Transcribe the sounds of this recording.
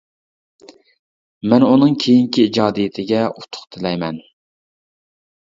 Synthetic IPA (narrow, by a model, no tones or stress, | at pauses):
mɛnunɨŋkʲʰejiŋkʲʰiid͡ʒɑːd̪ijɪt̪ʰɪɡʲɛut̪ʰːʊ̥χt̪ʰɪlɛjmɛn